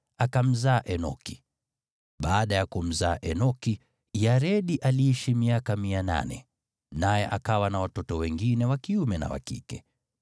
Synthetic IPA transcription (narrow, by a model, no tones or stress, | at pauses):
akam̩zaːʔɛnɔ̰ki̥ | ɓaːɗajakum̩zaːʔɛnɔki | jaɾɛɗiʔaliiʃimiakamiana̰nɛ̰ | najɛʔakawanawatɔtɔwɛŋɡinɛwakiumɛna̰wa̰kḭkɛ